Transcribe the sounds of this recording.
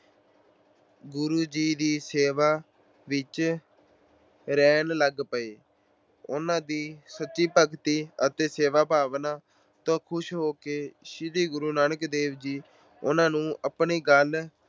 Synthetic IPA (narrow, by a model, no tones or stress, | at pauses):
ɡʊɾuːd͡ʒiːd̪iːseːʋaː | ʋɪt͡ʃ | ɾɛːnləɡpəeː | ʊnãːd̪iːsətːʃiːpəkt̪iːət̪eːseːʋaːpaːʋnaː | t̪õːkʰʊʃɦoːkeʃɪd̪iːɡʊɾuːnaːnəkd̪eːʋd͡ʒiː | ʊ̰nãːnũːʔəpɳiːɡəl